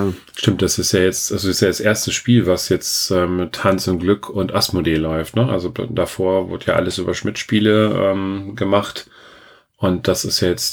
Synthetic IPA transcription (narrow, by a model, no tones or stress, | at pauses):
ʃtɪmt̚d̥asɪstjaːjɛt͡stʔalzoɪstjaːdasʔeːɐstəsʃpiːlvasjɛt͡stʔɛːmːɪtʰhant͡sʊnt̚ɡ̥lʏkʰʊntʔasmodeːlɔʏftnəʔa̰lzod̥afoːɐvʊ̰ɐdəja̰ːʔa̰ləsʔyːbɐʃmɪtʃpiːləʔɛ̰ːmɡəmaχt | ʔʊnt̚d̥asɪstjaːjɛt͡st